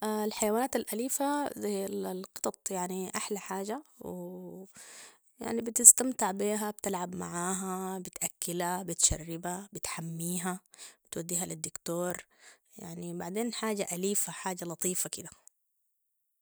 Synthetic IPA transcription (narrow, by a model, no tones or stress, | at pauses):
ʔalħajawaːnaːt̪alʔaliːfazallqɨt̪ˤɑt̪ˤjaʕniʔaħlaħaːd͡ʒaw | ja̰ʕnibɪt̪ɪst̪amt̪ɪʕbiːɦabt̪ɪlʕabma̰ʕaːɦabɪt̪ʔakːɪlabɪt̪ʃa̰rːɪbabɪt̪ħamːiːɦabɪt̪wad̪ːiːɦalɪd̪ːʊkt̪oːɾˤ | ja̰ʕnibaʕd̪eːnħaːɟaʔaliːfaħaːd͡ʒalɑt̪ˤiːfakɪd̪a